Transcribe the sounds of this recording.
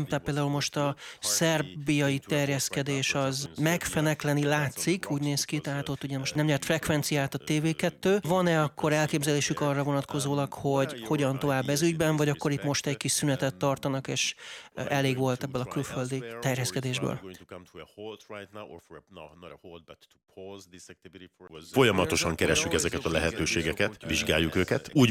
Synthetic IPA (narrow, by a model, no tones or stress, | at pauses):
mt̪at̪peːld̪aːulmo̞ʃt̪ɒsɛrbijɒjit̪ɛrjɛskɛd̪eːʃɒzmɛkfɛnɛklɛnilaːt̪sikʰuːɟneːskit̪ɛɦat̪ot̪ːuɟɛmo̞ʃt̪nɛmɲɛrt̪frɛkʋɛnt̪sijaːt̪ɒt̪eːveːkɛt̪ːøːvɒnɛɒkːo̞ɾɛlkeːbzɛleːʃykɒrːɒvo̞nɒt̪ko̞zoːlɒkho̞ɟho̞ɟɒnt̪o̞vaːbːɛzyɟbɛɱvɒɟɒkːo̞ɾit̪mo̞ʃt̪ɛckiʃsynɛt̪ɛt̪ːɒrt̪ɒnɒkḛːʃɛleːɡʋo̞lt̪ɛbːɛlɒkylføld̪it̪ɛrjɛskɛd̪eːʒbø̰l | t | fo̞jɒmɒt̪o̞ʃɒŋkɛɾɛʃːykɛzɛkɛt̪ɒlɛɦɛt̪øːʃeːɡɛkɛt̪viʒɡa̰ːjːukøːkɛt̪uːɟ